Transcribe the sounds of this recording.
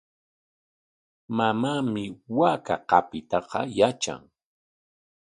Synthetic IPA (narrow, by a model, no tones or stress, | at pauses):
mamaːmɪwaːka̰qɑpɪt̪ɑqɑ̰jat͡ʃa̰ŋ